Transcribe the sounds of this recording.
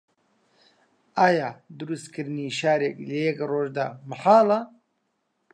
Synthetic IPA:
aːjad̪uɾust̪kʰɨɾniʃaːɾeklejekɾoːʒd̪a̰məħaːla

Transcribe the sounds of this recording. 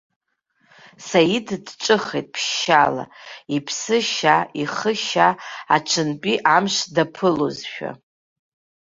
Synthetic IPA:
sajidʰdʈ͡ʂʼɨχejtʼpʰʃːala̰ipʰsɨʃaiχəʃaaʈ͡ʂʷʰɨnpʼiʔamʃdapʰɨlozʃᶣa̰

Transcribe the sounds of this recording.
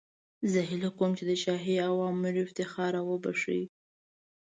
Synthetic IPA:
zəɦɪlakomt͡ʃed̪əʃɑɦiawɑmːɪɾɪft̪ɪxɑɾawəba̰ʂḭj

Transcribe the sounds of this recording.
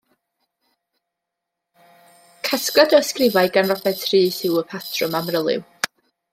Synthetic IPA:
kʰaskɔdəəskrɪvajɡanrɔbɛtʰriːsɪwəpʰatʰrʊmamrəlˠɪ̰w

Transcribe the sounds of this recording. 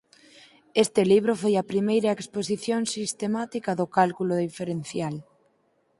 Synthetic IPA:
est̪ɪliβ̞ɾofojapɾimejɾaeksposiθjoŋsist̪emat̪ikaðʊkalkuloðifeɾen̟θjal

